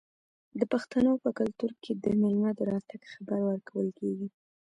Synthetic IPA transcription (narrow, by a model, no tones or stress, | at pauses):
d̪əpaxt̪anopəkʊlt̪uɾkʰed̪ənelnɑd̪əɾɑt̪aɡxabaɾwəɾkawəlkeɡi